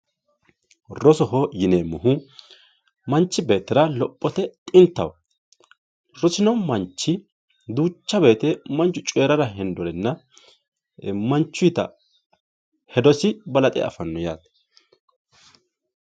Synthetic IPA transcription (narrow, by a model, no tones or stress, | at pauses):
rɔsɔɦɔjɪneːmʊɦʊ | mɐnt͡ʃːɪbe̞ːt̪ːɪɾɐlɔpʼːɔt̪ɛt̪ʼɪnt̪ːɐwɐ | ɾɔsɪnɔmɐnt͡ʃːɪ | d̪uːt͡ʃːɐbe̞ːt̪ɛmɐnt͡ʃːʊt͡ʃʼeːɾɐɾɐɦɛnd̪ɔɾɛnːɐ | mɐnt͡ʃːʊjt̪ɐ | hɛd̪ɔsɪbɐlɐt̪ʼɛ̰ɐ̰fɐnːɔjaːt̪